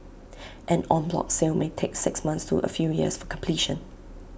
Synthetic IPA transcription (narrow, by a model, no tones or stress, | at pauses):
ʔɛ̃nɔ̃nblɔ̰k̚selmetʰeksɪksmãnstʰṵʔə̰fjujḭəsfɔkʰə̃mpʰliʃə̃n